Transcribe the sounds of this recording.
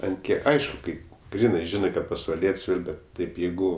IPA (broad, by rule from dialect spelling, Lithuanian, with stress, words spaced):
ɐnt ˈkʲiɛk ˈɐɪʃkʊ ˈkɐɪ ˈɡrʲiːnɜ ˈʒʲɪnɜ kɐt pɐsʋɐˈlʲiɛtʲsʲ ˈiːr ˈbʲɛt ˈtɐɪp ˈjɛɪɡʊ